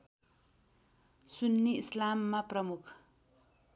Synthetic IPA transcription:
sunːiislamːaprʌmukʰ

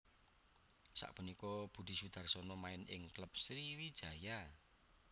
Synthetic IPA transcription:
sa̰ʔpunikɔb̥ṳd̪̥i̤sud̪̥a̤rsɔnɔmaɪnʔɪ̰ŋkləp̚sɾiwid̥ʒ̥a̤ja

